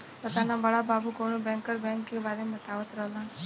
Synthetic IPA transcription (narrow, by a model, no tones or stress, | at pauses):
p̪ət̪aːnãːbəɭabaːbukoːɳ̃ũbɛ̃ːŋkəɾbɛ̃ːŋkːeʋaːlemət̪aʋət̪ɾəɦlaː